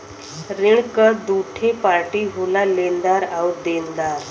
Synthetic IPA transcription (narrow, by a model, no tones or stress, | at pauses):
ɾiɳkəd̪uʈʰepaɾʈiɦulalend̪aɾawd̪end̪aɾ